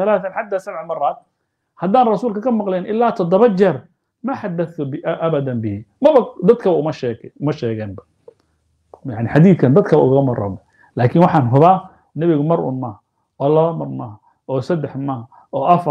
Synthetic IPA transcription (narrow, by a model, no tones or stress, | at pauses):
ɐlaːθɐnħad̪aːsɐβʕʕmɐraːd̪̚ | hɐd̪aːnrɑsuːlkʰɐkʰɐmɑqlɛjnʔɪlːaːt̪ʰɔd̪ɔβɐt͡ʃɛr | maħad̪ːɐθʊbɪʔɐβɐd̪ɐnbɪhɪmɐɐd̪ɐd̪kʰɐβɐʊmɐʃɛʊmɐʃɛːɣɛːnbɐ | jaʕnɪħɑd̪iːθkʰɐnd̪ɐd̪kʰɐʔʊ̰ɣɐmɐrɐ̰mɐ | laːkʰɪnwɑħɑːnɦʊβaː | nɛβɪɣʊmɐɾʊ̰nmɐːh | ɔːlɐβɐmɐrmɐːh | ɔːsɐd̪ɛħmɐh | ɔːʔɐfɐ